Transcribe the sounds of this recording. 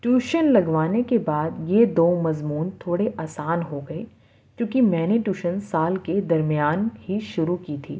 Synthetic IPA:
ʈjuːʃənlɐɡʋaːnekebaːd̪jed̪oːmɐzmuːnt̪ʰoːɽeʔaːsaːnɦoɡɐe | kjũːkimɛ̃ːneʈuːʃənsaːlked̪ɐɾmijaːnhiʃʊɾukiːt̪ʰḭː

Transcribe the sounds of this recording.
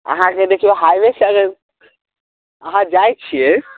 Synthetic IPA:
ə̰ɦãd͡ʒed̪ekʰibeɦajʋesəɡəɾ | əɦãd͡ʒajt͡ʃʰiɛ

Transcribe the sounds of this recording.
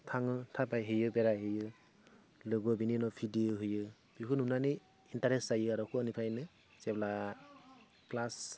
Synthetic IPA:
tʰaŋɯtʰapajɦɯjɯbeɾaɦɯjɯ | lɯɡɔbininɔpʰidioɦɯjɯ | b̥ikʰɯnunanɯ | intaɾeszajɯaɾɔkʰɯanipʰɾajnɯ | sebla | klas

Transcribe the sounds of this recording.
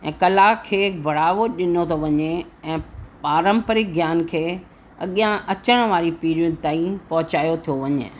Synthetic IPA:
ɛ̃ːkɐlaːkʰːeːbʱɐɽ̤aːʋoɗɪnot̪ʰoʋɐɲeɛ̃ːpaːɾə̃mpəɾɪk̚ɡjaːnkʰeː | ɐ̰ɠijãʔɐt͡ɕəɽ̃ʋaːɾipiːɾiəd̪̚t̪aːĩpɐɦʊt͡ɕaːijot̪ʰijoʋɐɲḛː

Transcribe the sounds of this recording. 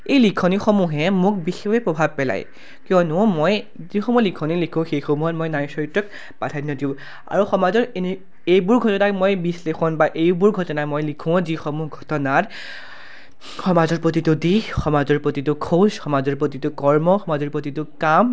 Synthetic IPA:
ejlikʰɔnixomuɦɛmʊk̚bixexepɹɔbʱab̚pɛla̰j | kijɔnʊmoj | zixɔmulikʰɔnilikʰʊ̃xejxomuɦɔt̚mojnajsɔɹitɔk̚ | patʰajnɔdiʊ̃ | a̰ɹuxɔmazɔɹeni | ejbuɹɡʱɔtɔnakmojbislexɔnbaʔejbuɹɡʱɔtɔnamojlikʰʊ̃zixɔmuɦɡʱɔtɔnat | xɔmazɔɹpɹot̬itudixɔmazɔɹpɹotitʊkʰozxɔmazɔɹpɹotitʊkɔɹmɔxɔmazɔɹpɹot̬itʊkam

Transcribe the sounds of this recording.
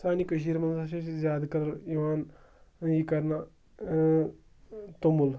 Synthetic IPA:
saːnikɐʃ̬iːɾmɐnsaʃet͡ʃzʲjaːd̪kɐɾɐɾiʋaːn | jikɐɾna | t̪omul

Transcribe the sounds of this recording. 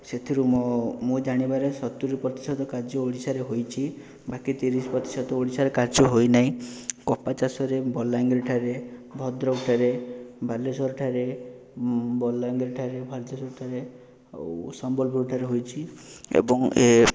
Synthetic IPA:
set̪ʰiɾumɔmũd͡ʒaɽ̃ibaɾesɔt̪uɾipɾɔt̪i̥sɔd̪ɔkaɾd͡ʒɔoɽisaɾeɦojt͡ʃʰi | bakit̪iɾisɔ̥pɾɔt̪i̥sɔd̪ɔoɽisaɾekaɾd͡ʒɔɦojnaɦĩkɔpat͡ʃasɔɾebɔlaŋɡɾiʈʰaɾebʱɔd̪ɾɔɡʈʰaɾebʱalesɔɾʈʰaɾe | bɔlːaŋɡɾiʈʰaɾebʱaɾd͡ʒɔsɔɾʈʰaɾe | sɔmbɔlbʱuɾʈʰaɾeɦojt͡ʃʰiḛbɔŋe

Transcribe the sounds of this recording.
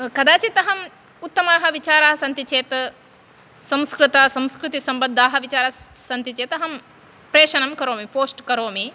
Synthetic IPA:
kɐd̪aːt͡ʃit̪ɐɦɐm | ut̪ːɐmaːɦɐʋit͡ʃaːɾaːɦɐsɐnt̪it͡ʃeːt̪ | sɐ̃mskɾɪt̪ɐsɐ̃mskɾɨt̪isɐmbɐnd̪ʱːaːɦɐ̆ʋit͡ʃaːɾɐsɐnt̪it͡ʃeːt̪ɐɦɐm | pɾeːʃɐnɐmkɐɾoːmipoːsʈkɐɾoːmi

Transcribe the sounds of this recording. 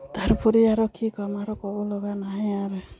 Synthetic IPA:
t̪aɾpɔɾiaɾɔkʰikɔmaɾɔkɔbɔlɔɡanaɦĩaɾe

